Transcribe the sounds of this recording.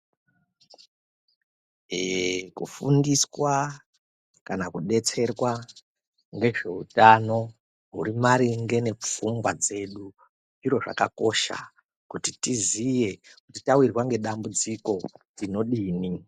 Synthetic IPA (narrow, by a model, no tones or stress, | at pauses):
kṵfundiswa | kanakuɗe̞t͡se̞rwa | ŋɡe̞ʐe̞utano̞ | ɦuɾimaɾiŋɡe̞ne̞p͡fumɡwad͡ze̞ɗu | iɾo̞ʐa̰kako̞ʃa̰ | kutitizije̞kutitawirwaŋɡe̞ɗambud͡ziko̞ | rino̞ɗiːni